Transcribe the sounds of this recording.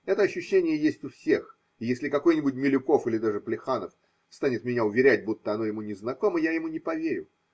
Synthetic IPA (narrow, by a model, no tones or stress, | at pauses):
ɛt̪əɐɕːʉɕːenʲɪjəjesʲtʲʊfsʲe̞x | ɪjesʲlʲɪkɐko̞jnʲɪbʊtʲmʲɪlʲʊko̞fɨlʲɪd̪aʐɨplʲɪxanəf | st̪anʲɪt̪mʲɪnʲaʊvʲɪɾʲæt̚ʲbut̪ːəɐno̞jɪmunʲɪznɐko̞məjajɪmunʲɪpɐvʲeɾʲʊ